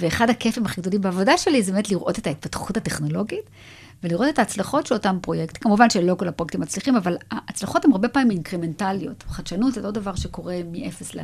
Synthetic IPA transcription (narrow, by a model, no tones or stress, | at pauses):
veːχadhake̞fimaχiɡdolimbeːvo̞daʃe̞lizebemetliʁʔo̞te̞tait̚patχutate̞χno̞lo̞ɡit | veliʁo̞te̞taːt͡slaχo̞tʃelo̞tampʁo̞jekt̪kamuvanʃelo̞kolapʁojk̚t̪imːat͡sliχimavalaːt͡slaχo̞themaʁbe̞paːmiminkʁeme̞ntaljo̞tχaʃanutzetodavaʁʃe̞ko̞ʁe̞miʔefe̞sle